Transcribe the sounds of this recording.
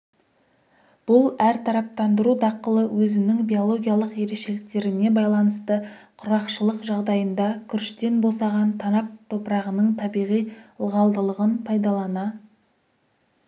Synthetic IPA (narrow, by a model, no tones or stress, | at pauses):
b̥ʊlˠæɾt̪ʰɑɾɑp̚t̪ɑnd̪əɾud̪ɑqəlˠəwɵzɪnɪŋbijo̞lˠo̞ɡʲijaɑlˠəqje̞ɾe̞ʃe̞lɪk̚t̪e̞ɾɪne̞bɑjlˠɑnəst̪əqʰʊɾɑqʃəlˠəqʒɑʁd̪ɑjənd̪ɑkʲʰʏɾʃt̪e̞nbo̞sɑʁɑnt̪ʰɑnɑp̚t̪ʰo̞pɾɑʁənəɴt̪ʰɑbijʁijlˠʁɑlˠd̪əlˠəʁənpʰɑjd̪ɑlˠɑnɑ